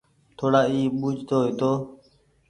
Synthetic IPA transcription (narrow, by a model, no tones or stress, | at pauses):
t̪ʰoːɽaːiːɓuːd͡ʒʱt̪oːɦiːt̪oː